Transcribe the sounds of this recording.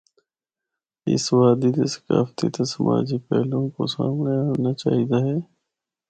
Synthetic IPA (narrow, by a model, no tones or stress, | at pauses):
ɪ̰sʋaːd̪iːd̪esə̥ka̰ːfət̪iːt̪asəmʔaːd͡ʒiːpɛ̰ːlõːko̰sa̰ːmneanaːt͡ʃaːɦiːd̪aːɦɛː